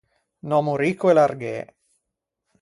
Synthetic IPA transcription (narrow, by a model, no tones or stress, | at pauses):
nɔmuɾikːuelarɡḛː